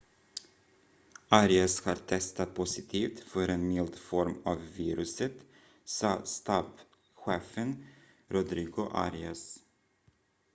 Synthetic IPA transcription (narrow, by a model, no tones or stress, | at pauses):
aɾɪashɑːɾt̪ʰɛst̪at̪̚pʰʊsɪt̪ʰiːft̪fœɾɛnmɪld̪fɔɾmavːiːɾɵsət̪ | sɑːst̪ab | ɧeːfən | ɾʊd̪ɾiːɡʊʔa̰ɾɪas